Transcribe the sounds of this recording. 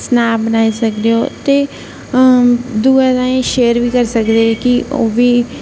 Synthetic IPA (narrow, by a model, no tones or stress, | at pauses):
snaːbənaːiːsəkd̪eːoːt̪eː | d̪uːɛːd̪ãːẽʃeːəɾʋiːkəɾsəkd̪eːɛkɪo̰ːʋiː